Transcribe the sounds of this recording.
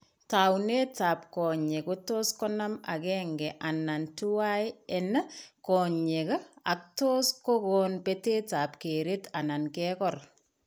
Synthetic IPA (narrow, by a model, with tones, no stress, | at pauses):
tawne˦taː˨p̚kɔ˨ɲekoto˦skɔ˦na˦ma̰kɛːŋɡɛʔa˨na˨ntu˦waɛna˦kɔ˨ɲe˨ka˦ak̚to˦sko˦konpete˦ta˨p̚ke˨ɾetana˨nkɛkɔr